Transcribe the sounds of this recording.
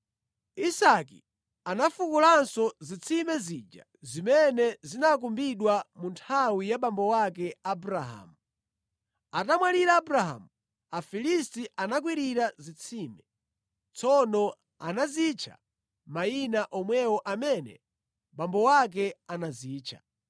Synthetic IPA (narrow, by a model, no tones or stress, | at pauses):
isakḭ | anafukulansɔzit͡sʰimɛzid͡ʒa | zimɛnɛzinak̬umbiɗwamuntʰawijaɓambɔwakɛabuɾaɦa̰ːmu | atamwaliɾaːbuɾaɦa̰mu | afilistiʔanak̬wiɾiɾazit͡sʰiːmɛ | t͡sʰɔnɔ | anazit͡ʃʰa̰ | mainaʔɔmwɛwɔʔamɛnɛ̰ | ɓambɔwak̬ɛanaziːt͡ʃʰa̰